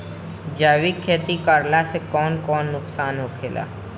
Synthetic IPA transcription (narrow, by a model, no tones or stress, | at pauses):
d͡ʒaːwɪkʰːeːt̪ikəɾlasekɔːnkɔːnːʊksaːnɦokʰeːla̰ː